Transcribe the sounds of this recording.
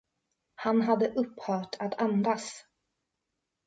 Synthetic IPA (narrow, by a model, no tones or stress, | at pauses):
hanɦad̪ːəʔɵpːhœːʈʰat̪ʰand̪as